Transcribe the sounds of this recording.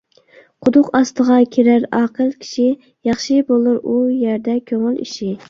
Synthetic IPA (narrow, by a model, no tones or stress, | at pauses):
qʰʊd̪ʊqɑst̪əʁɑkʲʰeɾaɾɑqəlˠkʲʰi̥ʃi | jɑχʃɪbolˠɨɾujaɾd̪ɛkʲʰøŋɪlḭʃɪ